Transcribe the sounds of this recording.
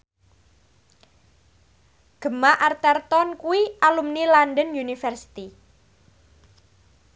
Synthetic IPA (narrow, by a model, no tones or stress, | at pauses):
ɡ̥ə̤maʔart̪ɛrt̪ɔnkuwiʔalumnilanɖənjunifɛrsi̥t̪i